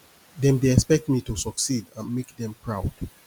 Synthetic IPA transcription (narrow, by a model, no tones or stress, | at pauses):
dɛ̃mdeɛkspɛk̚tmitusɔksidãnmekdɛ̃mpʰɹaʊd̥